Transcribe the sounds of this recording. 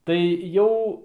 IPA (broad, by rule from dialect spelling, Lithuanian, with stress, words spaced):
tɐɪ ˈjɛʊ